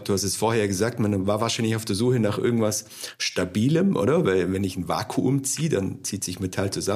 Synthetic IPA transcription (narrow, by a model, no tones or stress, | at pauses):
d̥uːhastɛsfoːɐheːjɐɡəzaːk̚tmanvaːɐvaːɐʃaɪnlɪçaʊfd̥eːɐzuːxənaːχʔɪ̰ɐɡŋ̩tv̥as | ʃtabiːləmʔo̰ːɾɐvaɪlvɛnɪçn̩va̰ːkʰuʔʊmt͡siːədant͡siːtz̥ɪçmetʰalt͡suza